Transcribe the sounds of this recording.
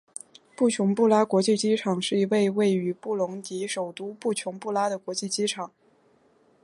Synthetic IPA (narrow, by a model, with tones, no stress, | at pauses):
pu˥˩t͡ɕʰjʊ˧˥ŋpu˥˩la˥kwɔ˧˥t͡ɕi˥˩t͡ɕi˥ʈ͡ʂʰɑ˨˩ŋʂɻ̩˥˩i˧˥we˥˧ɪwe˥˩ɪy˧˥pu˥˩lʊ˧˥ŋt̪i˧˥ʂo˨˩ʊt̪u˥pu˥˩t͡ɕʰjʊ˧˥ŋpu˥˩la˥ɾə˨kwɔ˧˥t͡ɕi˥˩t͡ɕi˥ʈ͡ʂʰɑ˨˩˦ŋ